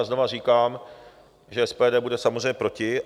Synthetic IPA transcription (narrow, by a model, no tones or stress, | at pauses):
zno̞var̝iːkaːm | ʒɛɛspɛːdɛːbudɛsamozr̝ejɲɛpɾo̞cɪ